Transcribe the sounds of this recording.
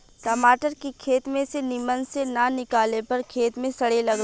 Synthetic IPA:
ʈɐmaːʈəɾkikʰeːt̪mẽsenɪmənsenanɪkaːlepɐɾkʰeːt̪mẽsɐɽelɐɡ

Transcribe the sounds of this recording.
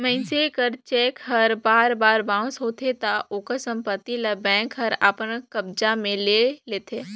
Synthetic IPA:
mə̃sekəɾt͡ʃeːkɦɐɾbaːɾbaːɾbãːsɦoːt̪ʰet̪aʔoːkəsə̃mpət̪ːiləbɛ̃ːŋkɦɐɾa̰ːpənkɐb̚d͡ʒamẽleːleːt̪ʰeː

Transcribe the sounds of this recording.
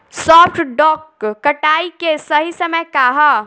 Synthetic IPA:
sɔːpʰʈɖɔːkːɐʈaːikesɐɦisɐməjkaɦa

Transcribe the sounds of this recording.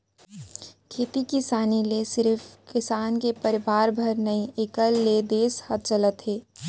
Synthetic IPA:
kʰeːt̪ikisaːnilesɪɾfʰkɪsaːnkepəɾɪʋaːɾbʱəɾnɐĩekəlːed̪eːshət̪̚t͡ʃələt̪ɦeː

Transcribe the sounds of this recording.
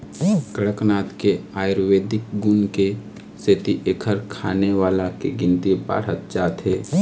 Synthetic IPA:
kəɽəknaːt̪keaːjɾʋeːd̪ɪkɡʊnke | set̪iʔeːkʰəɾkʰaːneʋaːlakeɡɪ̃nt̪iba̰ːɾ̤ət̪̚d͡ʒaːt̪ɦeː

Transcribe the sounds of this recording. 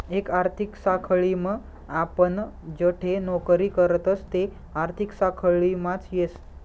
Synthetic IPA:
ekaɾt̪ʰiksakʰəɭimə | apəɳd͡zəʈʰenɔkɾiːkəɾət̪əst̪e | aɾt̪ʰiksakʰɭimat͡sjes

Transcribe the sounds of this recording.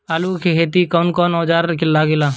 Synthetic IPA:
aluːkʰekʰeːt̪ikoːnkɔːnɔːd͡ʒaːɾkɪlːaːɡɪlaː

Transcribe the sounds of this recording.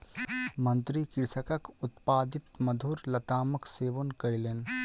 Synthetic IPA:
mə̃nt̪ɾikɪɾsəkəkʊt̪paːd̪ɪt̪məd̪ʱuːɾlɐt̪aːməkseːʋonkəjleːn

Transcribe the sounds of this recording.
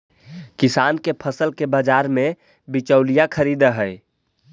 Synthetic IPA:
kɪsaːnkepʰəsəlkebəd͡ʒaɾmẽ | bit͡ʃəʊlijakʰəɾid̪əɦəɪ

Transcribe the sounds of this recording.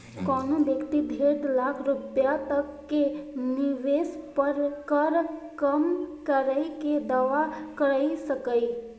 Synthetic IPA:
kɔnod̪ekʰt̪ib̪ʱeɽɖlakʰɾupjat̪əkːeniʋespəɾkəɾ | kəmkəɾəɪked̪aʋakəɾəjsəkəɪ

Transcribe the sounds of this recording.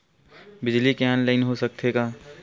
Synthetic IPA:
bɪd͡ʒlikeɛːnlaːɪnɦosək̚t̪ʰeɡaː

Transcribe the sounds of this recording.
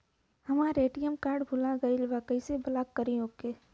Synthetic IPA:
hɐmaɾeːʈijəmkaːɾɖbʱʊlaɡɐilʋaːkəisebɐlaːkːəɾiõːkeː

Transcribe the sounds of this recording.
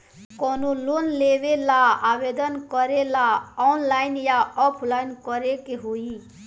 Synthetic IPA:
kɔnolonlebelaabed̪ənkɔɾelaɔnlajnjaɔpʰlajnkɔɾekeɦoi

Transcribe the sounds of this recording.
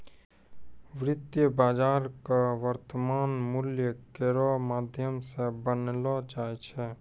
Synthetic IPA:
ʋɾɪt̪jəbaːd͡ʒaːɾkaʋəɾt̪əmaːnmʊljəkeɾɔmaːd̪ʱjəmsebənlɔd͡ʒaːjt͡ʃʰɛ

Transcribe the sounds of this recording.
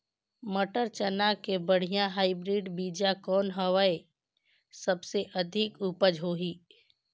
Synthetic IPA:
mɐʈəɾt͡ʃənakebəɽ̤ijãɦaːibɾiːɖbiːd͡ʒakɔːnɦəʋae | sɐbseʔɐd̪ʱɪkupəd͡ʒɦoːɦiː

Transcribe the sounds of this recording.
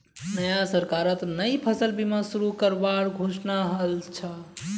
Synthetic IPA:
nəjasəɾkaɾət̪nəjpʰəsəlbʱimẽsuɾukəɾbaɾɡʱosnaɦəlt͡ʃʰə

